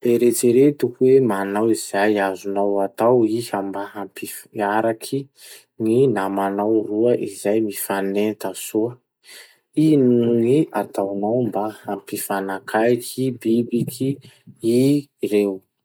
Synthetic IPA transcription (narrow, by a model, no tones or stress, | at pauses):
eɾet͡ʃiɾet̪ukuwemanawiz̥ajazunawat̪awihambaɦampifaɾakʰi | ŋinamanawruəʔizajmifanent̪asuə | inuŋiat̪awnawmbaampifanakʰajkʰibibikʰiirew